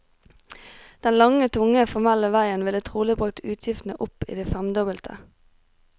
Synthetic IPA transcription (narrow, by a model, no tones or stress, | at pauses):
d̪̥ɛnlɑŋət̪ʰʊŋəfɔʁmɛləʋæɪənʋɪlət̪ʰʁuːlɪbʁʉk̚t̪ʰʉːt̪ʰjɪft̪n̩əʔʊpḭːd̪iɪfɛmd̪ɔbəlt̪ʰə̰